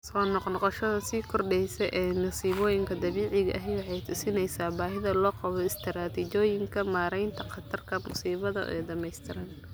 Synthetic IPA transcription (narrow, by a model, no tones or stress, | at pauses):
sɔːnɔqnɔqɑʃɐðɐsiːkʰɔrɖɛjsɛʔɛːnɐsiːβɔːjɪŋkʰɐd̪ɐβiːʕɪɣɐʔɐɦɛjwɑħɑjt̪ʰʊsɪnɛjsaːbaːɦɪðɐlɔːqɑβɔɪst̪ʰɪɾaːt̪ʰit͡ʃɔːjɪŋkʰɐmaːɾɛjnt̪ʰɐqɑt̪ʰɐrkʰɐmʊ̰siːβɐðɐ̰ʔɛ̰ːd̪ɐmɛjst̪ʰɪɾɐn